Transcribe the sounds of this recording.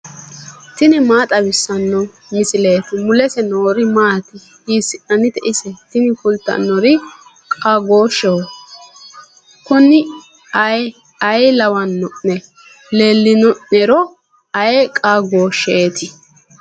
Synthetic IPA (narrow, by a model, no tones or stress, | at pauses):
t̪ɪnɪmaːt̪ʼɐbɪsːɐnːɔ | mɪsɪleːt̪ɪmʊlɛsɛnoːɾɪmaːt̪ɪ | hiːsɪʔɐnɪt̪ɛʔɪsɛt̪ɪnɪfʊlt̪ːɐ̰nːɔɾɪ | kʼaɡoːʃːɛwɔ | kʊnːɪ | ɐj | ɐjlɐwɐnːɔʔnɛ | leːlːɪnɔʔnɛɾɔ | ɐjɛkʼaɡoːʃːeːt̪ɪ